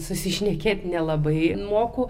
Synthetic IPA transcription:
sʊsʲɪʃʲnʲɛkʲeːt̪ʲnʲɛlˠɐbɐɪmoːkʊ

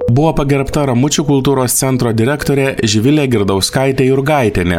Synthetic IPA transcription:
bʊʋoːpɐɡʲɛɾpt̪ɐɾɐmʊt͡ʃʲuːkʊlˠt̪uːɾoːst̪sʲɛnt̪ɾoːd̪ʲɪɾʲɛkt̪oːɾʲɛːʒʲɪʋʲɪlʲeːɡʲɪɾd̪ɐʊskɑɪt̪ʲeːɪɾɡɑˑɪt̪ʲenʲɛ̰

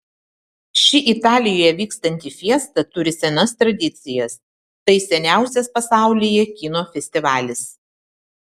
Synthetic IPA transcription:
ʃʲɪʔit̪ɑːlʲɪjoːjɛʋʲiːkst̪ɐnʲt̪ʲiːfʲiɛst̪ɐt̪ʊɾʲɪsʲɛnɐst̪ɾɐd̪ʲɪt̪sʲɪjɛs | t̪ɐɪsʲɛnʲæˑʊsʲɛspɐsɑˑʊlʲɪjɛkʲɪnoːfʲɛsʲt̪ʲɪʋɑːlʲɪs

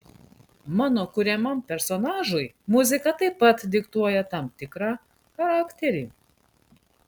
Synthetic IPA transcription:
mɑːnoːkʊɾʲɛmɐmpʲɛɾsɔnɑːʒʊɪ | mʊzʲɪkɐt̪ɐɪpːɐt̪d̪ʲɪkt̪uɔjɛt̪ɐmt̪ʲɪkɾɑː | xɐɾɑːkt̪ʲɛɾʲiː

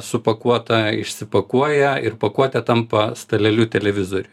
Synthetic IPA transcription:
sʊpɐkuɔt̪ɐɪ̰ʃʲsʲɪpɐkuɔjɛɪrpɐkuɔt̪ʲɛt̪ɐmpɐst̪ɐlʲɛlʲuːt̪ʲɛlʲɛʋʲɪzoɾʲʊ

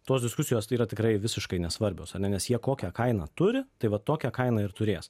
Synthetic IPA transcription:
t̪oːsd̪ʲɪskʊsʲɪjoːsiːɾɐt̪ʲɪkɾɐɪʋʲɪsʲɪʃkɐɪnʲɛsʋɐɾʲbʲoːsɐnʲɛnʲɛsjiɛkoːkʲɛkɐɪnɐ̰t̪ʊɾʲɪt̪ɐɪʋɐtt̪ːoːkʲɛkɐɪnɐɪrt̪ʊɾʲeːs

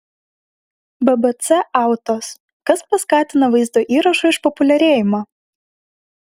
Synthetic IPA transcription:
bɛbɛt̪sɛɑˑʊt̪oːs | kɐspɐskɑːt̪ʲɪnɐʋɐɪzd̪oːʔiːɾɐʃɐɪʃpɔpʊlʲɛɾʲeːjɪmɑː

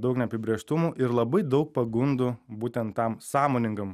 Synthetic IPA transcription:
d̪ɐʊknʲɛɐpʲɪbʲɾʲeːʃt̪ʊmuʔɪɾlˠɐbɐɪd̪ɐʊk̚pɐɡʊnd̪ʊbuːt̪ʲɛnt̪tːɐmsɑːmoːnʲɪŋɡɐm

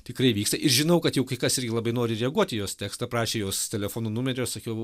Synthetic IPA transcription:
t̪ʲɪkɾɐɪʋʲiːkst̪ɐʔɪɾʒʲɪnɐʊkɐt̪jɛʊkɐɪkɐsɪrʲɡʲɪlˠɐbɐɪnoːɾʲɪɾʲɛɐɡuɔt̪ʲɪjoːst̪ʲæːkst̪ɐprɑːʃʲeːjoːst̪ʲɛlʲɛfoːnuːnʊmʲɛɾʲoːssɐkʲɛʊ

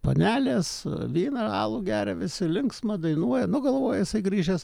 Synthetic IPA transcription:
po̰nʲæːlʲeːsʋʲiːnɐɑ̰ːlˠuːɡʲæːɾʲɛʋʲɪsʲɪlʲɪŋksmɐd̪ɐɪnuɔjɛnʊɡɐlˠʋoːjɛjɪsɐɪɡɾʲiːʒʲɛs

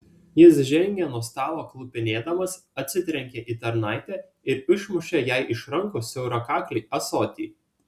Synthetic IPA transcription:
jɪsʒʲɛŋʲɡʲeːnuːst̪ɑːlˠoːklˠʊpʲɪnʲeːd̪ɐmɐs | ɐt̪ʲsʲɪt̪ʲɾʲɛŋʲkʲeːʔiːt̪ɐɾnɑˑɪt̪ʲæː | ɪɾɪʃmʊʃʲeːjæɪʔɪʃɾɐŋˑkʊsʲɛʊɾɐkɑːklʲiʔɐsɔt̪ʲiː

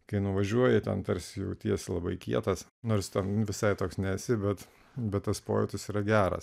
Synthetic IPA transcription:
kɐɪnʊʋɐʒʲuɔjɛt̪ʲɛ̰nt̪ɐɾʲsʲɪjɛʊt̪ʲiɛsʲlˠɐbɐɪkʲiɛt̪ɐsnoːɾst̪ʲɛnʋʲɪsɐɪt̪oːksnʲɛsʲɪbʲɛt̪ | bʲɛt̪t̪ːɐspo̰ːjɛt̪ʲɪsiːɾɐɡʲæːɾɐ̰s

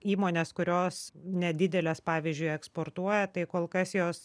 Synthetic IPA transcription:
iːmoːnʲeːskʊɾʲoːsnʲɛd̪ʲɪd̪ʲɛlʲeːspɑːʋʲizʲd͡ʒʲʊɪɛkspoːrt̪uɔjɛt̪ɐɪkoːlˠkɐsjoːs

